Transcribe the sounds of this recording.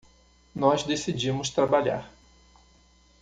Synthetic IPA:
nɔzd̪esid͡ʒĩmʊst̪ɾabaʎa̰ɾ

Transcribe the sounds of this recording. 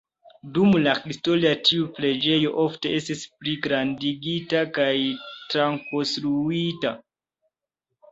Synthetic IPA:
dumlahisto̞liatʰiuple̞d͡ʒe̞jo̞ʔo̞fte̞e̞stispliɡɾandiɡitakajtɾaŋkostɾuita

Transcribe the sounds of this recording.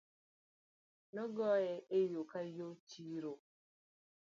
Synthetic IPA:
nɔɡɔjɛʔejokajot͡ʃiɾo

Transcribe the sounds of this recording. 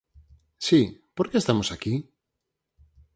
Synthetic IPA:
sipoɾkeːst̪amosaki

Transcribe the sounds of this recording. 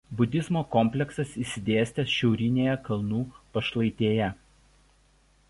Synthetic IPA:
bʊd̪ʲɪzmoːkɔmʲpʲlʲɛksɐsiːsʲɪd̪ʲeːsʲt̪ʲɛsʃʲɛʊɾʲɪnʲeːjɛkɐlˠnuːpɐʃlˠɐɪt̪ʲeːjɛ

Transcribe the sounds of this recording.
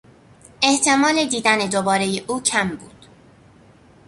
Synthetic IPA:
e̞ht̪ʰe̞mɒːle̞d̪iːd̪æne̞d̪obɒːɾe̞jeʔuːcʰæmbuːd̪̥

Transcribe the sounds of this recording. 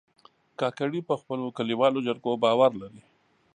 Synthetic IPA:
kɑkaɽipəxpəlokaliwɑlod͡ʒaɾɡobɑwaɾlaɾi

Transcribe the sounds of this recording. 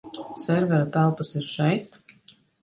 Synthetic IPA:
sɛɾvɛɾat̪ælˠpasiɾʃɛjt̪

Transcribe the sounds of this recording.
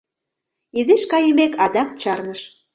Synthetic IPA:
ezeʃkɑjəmekɑd̪ɑk̚t͡ɕɑrnəʃ

